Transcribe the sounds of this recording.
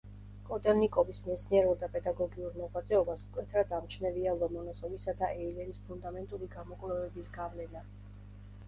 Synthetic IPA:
kʼɔt̪ʼɔnikʼɔbismɛt̪sʰniɛɾulˠd̪apʼɛd̪aɡɔɡiuɾmɔʁvat̪zʼɛɔbasmkʼwɛt̪ʰɾad̪amt͡ʃʰnɛvialˠɔmɔnɔsɔmisad̪aʔɛilɛɾispʰund̪amɛnt̪ʼuliɡamɔkʼvlɛvɛbisɡavlɛna

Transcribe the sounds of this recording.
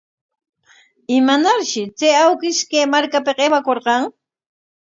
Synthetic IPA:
ɪmanaɾʃɪt͡seawkɪʃkeːmaɾkapeqewakoɾqɑŋ

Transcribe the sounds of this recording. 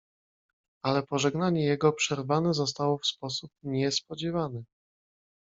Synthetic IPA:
alɛpɔʐɛɡnaɲɛjɛɡɔpʂɛɾvanɛzɔst̪awɔfspɔsup̚ɲɛspɔd͡ʑɛvanɛ

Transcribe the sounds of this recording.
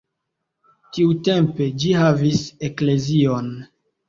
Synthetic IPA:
tiute̞mpe̞d͡ʒihavise̞kle̞zio̞n

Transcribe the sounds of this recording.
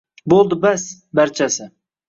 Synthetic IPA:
bolˠd̪ɪbas | baɾt͡ʃʰasɪ

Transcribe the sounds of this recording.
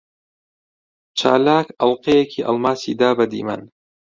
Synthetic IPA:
t͡ʃʰa̰ːlaːkɐlˠqejekʰiːʔɐ̰lmaːsḭːd̪aːbɐd̪ḭːmɐ̰n

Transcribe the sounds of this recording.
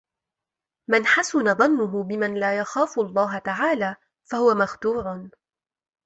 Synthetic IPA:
manħasʊnaðˤɑnːʊɦʊbɪmanlaːjaxaːfʊʔɑlˤːɑːɦat̪aʕaːlaː | fahʊwamaxt̪uːɾ

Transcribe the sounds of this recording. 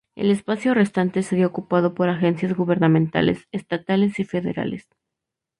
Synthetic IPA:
ḛle̞spasjo̞re̞st̪ant̪e̞seðjookupað̞o̞po̞ɾaxe̞nsjazɣuβe̞ɾnamẽnt̪a̰le̞̰sest̪at̪ale̞sife̞ðe̞̰ɾa̰le̞̰s

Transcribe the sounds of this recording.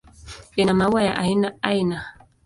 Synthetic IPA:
enamawajaʔajnaajna

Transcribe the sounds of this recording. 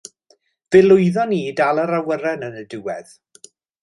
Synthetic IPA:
v̥ɪlˠʊɨðɔniːdalˠəɾawəɾɛnənədɪwɛð̥

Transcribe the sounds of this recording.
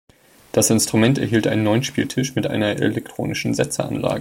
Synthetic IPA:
d̥asʔɪnstʁ̥umɛntɛɐɦiːltʔaɪnnːɔʏnʃpiːltʰɪʃmɪtʔa̰ɪnɐʔɛ̰lɛk̚tʁ̥o̰ːnɪʃn̩zɛt͡səʔa̰nla̰ːɡə

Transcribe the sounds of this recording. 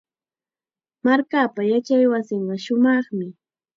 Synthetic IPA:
maɾkaːpajat͡ʃajwasɪɴɢɑʃʊmɑχmɪ

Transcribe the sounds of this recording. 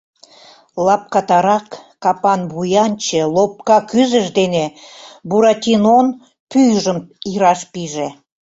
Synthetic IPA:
lɑp̚kɑt̪ɑɾɑkː | ɑpɑnβujɑnt͡ɕelop̚kɑkyzəʃd̪enebuɾɑt̪ʲinon | pyjʒəmiɾɑʃpiʒe

